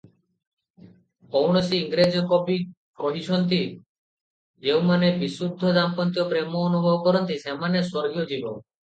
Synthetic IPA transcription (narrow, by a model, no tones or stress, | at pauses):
kowɳosiːŋɡɾed͡ʑokobi | koɦiʃʰɔnt̪i | d͡ʒewmanebisud̪ʱːod̪ampɔnt̪iopɾemoːnubʱɔbɔkɔɾɔnt̪isemanesɔɾɡiod͡ʑibo̰